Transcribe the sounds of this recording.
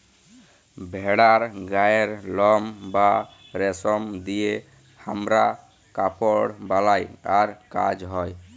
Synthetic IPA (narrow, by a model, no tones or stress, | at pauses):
bʱɛɽaɾɡajeɾlɔmba | ɾɛsɔmd̪ije | hamɾa | kapɔɽbalajaɾka̰d͡ʒɦɔj